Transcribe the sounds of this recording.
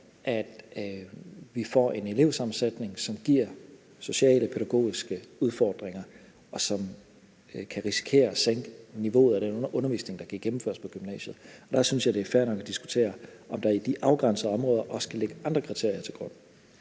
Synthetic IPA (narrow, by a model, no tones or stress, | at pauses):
ʔæd̥ | ʋifɒ̰e̝ne̝le̝ʊsɑ̈mn̩sed̥ne̝ŋsɒ̽mɡ̥iɐ̰ | so̝ɕɛ̰ːləpʰeɾæɡ̥o̝̰ːisɡ̥əuð̞ˠfɒːd̥ʁeŋɐ | ɒ̽sɒ̽m | kʰæʁisi̥kʰe̝̰ːɐseŋ̰ɡ̥əniʋo̝̰ːð̩ˠɒɾ̥enɔnɐʔɔ̽nɐʋḭːsne̝ŋd̥ɑ̈ɡ̥iɡ̥̚ɡem̩fø̰ɐspʰɒ̽ɡ̥ymnɛ̰ːɕð̩ˠɒd̥æsynsjɑ̈ɪd̥e̝æɐfæɐnɒ̽ɡ̥æd̥isɡ̥u̥t͡sʰe̝̰ːɐɒ̽md̥ɑ̈id̥iʔɑ̈ʊɡ̥ʁan̰səðˠɒ̽mʁɔ̽ːðˠɐʔɒ̽skʰæleɡ̥əʔɑ̈nd̥ʁɐkʰʁit͡sʰe̝ɐ̰iɐt͡sʰe̝lɡ̥ʁɔ̽n̰